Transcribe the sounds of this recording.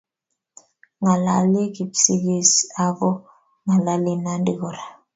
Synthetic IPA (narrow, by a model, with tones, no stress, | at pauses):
ŋa˨la˨li˦ki˨psi˦ɡi˦sa˦vɔ˦ | ŋa˨la˦li˦na˦ndi˨ɣɔ˨ɾa˨